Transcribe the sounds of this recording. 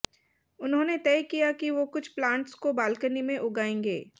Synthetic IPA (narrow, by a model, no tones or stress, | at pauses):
ʊnɦõːnet̪ɛːkijakiʋokʊt͡ʃʰplãːɳʈskobaːlkənimẽʔʊɡaːẽːŋɡḛː